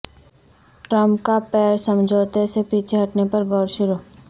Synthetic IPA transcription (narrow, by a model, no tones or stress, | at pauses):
ʈɾə̃mpkapɛːɾsə̃md͡ʒʱoːt̪esepiːt͡ʃʰeɦɐʈnepɐɾɡɔːɾʃʊɾuː